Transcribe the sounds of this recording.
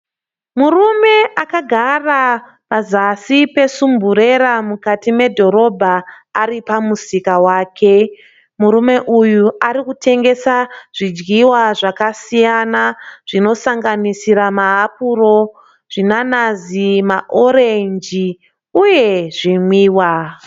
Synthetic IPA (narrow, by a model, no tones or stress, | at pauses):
murume̞ʔakaɡʱara | pazasipe̞sumbuɾe̞ɾamukatime̞dʱo̞ɾo̞bʱaː | ɾipamusikawaːkʰe̞ | muɾume̞ʔujuaɾikutʰe̞ŋɡe̞saʐ̥id͡ʒɡiwaʐakasijanaʐ̥ino̞saŋɡanisiɾamaːp̚uɾo̞ | ʐ̥inanazimaʔo̞ɾe̞ɲd͡ʒi | uje̞ʐimwiːwa